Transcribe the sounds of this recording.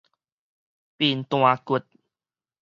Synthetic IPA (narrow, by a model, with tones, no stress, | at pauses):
pi˧˩nt̪w̃ã˧ku˨˧˩t̚